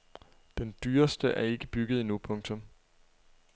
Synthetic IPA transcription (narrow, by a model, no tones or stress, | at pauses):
d̥end̥yːɐsd̥əʔæɐe̝ɡ̥əb̥yɡ̥ð̞̩ˠinupʰɔ̽ŋt͡sʰɔ̽m